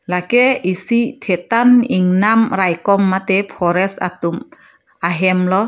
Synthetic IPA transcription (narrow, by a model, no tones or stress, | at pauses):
lakeisid̪̥ʰet̪anɪŋnamrajkɔmːat̪epʰɔɾɛsa̰t̪um | aɦɛmlɔ